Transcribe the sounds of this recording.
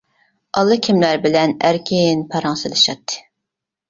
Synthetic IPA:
ʔɑlˠːɨkʲʰimlæɾbɪlɛnæɾkʲʰinpʰɑɾɑŋsɨlˠɨʃɑt̪ʰːɨ̥

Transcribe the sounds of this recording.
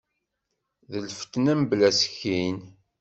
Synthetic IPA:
ðəlfə̥t̪ːnæmblæsçːin

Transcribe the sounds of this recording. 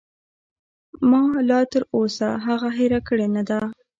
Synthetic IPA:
mɑlɑt̪əɾosaɦaɣaɦeɾakəɽenad̪a

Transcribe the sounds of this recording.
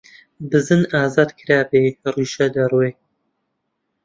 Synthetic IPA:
bɨzɨnʔaːzaːd̪kʰɨɾaːberiːʃɐd̪ɐrweːk̚

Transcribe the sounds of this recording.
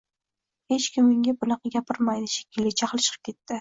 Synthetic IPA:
he̞t͡ʃkʲɪmːɪŋʲabʊnɨqɡʲapʰɪɾmajd̪ɪʃe̥kʲɪlːɪt͡ʃʰaqlˠʃɨ̥qʰɨ̥p̚kʲʰe̞t̪ʰːɪ

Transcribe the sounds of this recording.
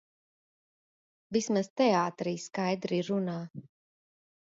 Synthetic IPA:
vismaz̥t̪ɛaːt̪ɾiːskajd̪ɾiɾunaː

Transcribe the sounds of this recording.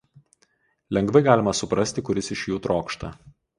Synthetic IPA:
lʲɛŋɡʋɐɪɡɑːlʲɪmɐsʊpɾɐsʲt̪ʲɪkʊɾʲɪsɪʃʲjuːt̪ɾʔoːkʃt̪ɐ̰

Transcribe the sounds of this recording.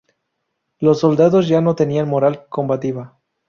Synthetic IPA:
lo̞sːo̞ld̪aðo̞zʝano̞t̪e̞nianmo̞ɾalko̞mbat̪iβa

